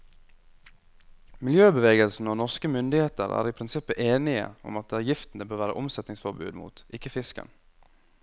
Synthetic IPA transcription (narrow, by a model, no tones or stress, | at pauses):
mɪljøːbəʋeːɡəlsn̩oːnɔʁskəmʏnd̪ɪheːt̪əɾæ̰ːɾipʰɾɪnsɪpːəʔeːnɪə̰ʊ̰mɑt̪̚d̪eːæjɪft̪n̩əbøːɾʋæːɾəʔʊmsɛt̪nɪŋsfɔɾbʉ̰ːd̪mṵːt̪ʔɪkːəfɪskə̰n